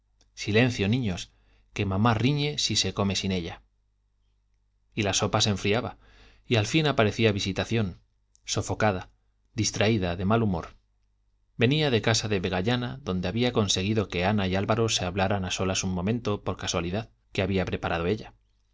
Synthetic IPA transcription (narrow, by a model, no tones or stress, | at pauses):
sile̞n̟θjo̞nĩɲo̞s | ke̞mãmariɲe̞sise̞ko̞me̞sine̞ʎa | ilaso̞pase̞ɱfɾiaβa | ialfinapaɾe̞θiaβisit̪aθjo̞n | so̞fo̞kað̞a | d̪ist̪ɾaiðaðe̞malumo̞̰ɾ | be̞niaðe̞kasaðe̞βe̞ɣ̞aʎanaðo̞nd̪e̞aβiako̞nse̞ɣ̞iðo̞ke̞anaialβaɾo̞se̞aβlaɾanaso̞lasumːõ̞mẽ̞nt̪o̞po̞ɾkaswaliðað | ke̞aβiapɾe̞paɾʔað̞o̞e̞ʎa